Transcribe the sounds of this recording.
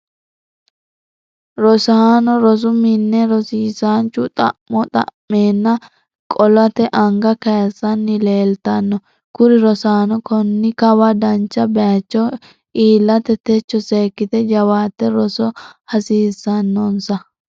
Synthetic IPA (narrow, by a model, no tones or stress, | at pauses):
ɾɔsaːnɔɾɔs̬ʊmɪnːɛɾɔsiːsaːnt͡ʃːʊt̪ʼɐ̰ʔmɔt̪ʼɐ̰mːeːnːɐ | kʼɔlɐt̪ɛʔɐŋɡɐkɐjsɐnːɪle̞ːlt̪ɐnːɔ | kʊɾɪɾɔsaːnɔkɔnːɪkɐwɐd̪ɐnt͡ʃːɐbɛɐt͡ʃːɔ | ʔiːlːɐt̪ɛt̪ɛt͡ʃːɔse̞ːkːɪt̪ɛd͡ʒɐwaːt̪ːɛɾɔsɔhɐsiːsːɐnːɔnsɐ